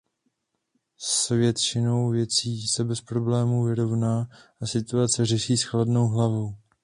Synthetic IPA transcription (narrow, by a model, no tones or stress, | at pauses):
svjɛt̪t͡ʃɪno̞wvjɛt͡siːsɛbɛspɾo̞blɛːmuvɪɾo̞vnaːʔasɪt̪uat͡sɛr̝ɛʃiːsxladno̞wɦlavow